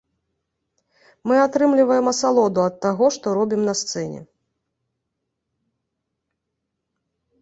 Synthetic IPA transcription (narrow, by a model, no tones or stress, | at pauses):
mɨat̪ɾɨmlʲivɐjɛmɐsalˠɔd̪uɐt̪ːaɣɔʂt̪ɔɾɔbʲimnɐst̪sɛnʲɛ̰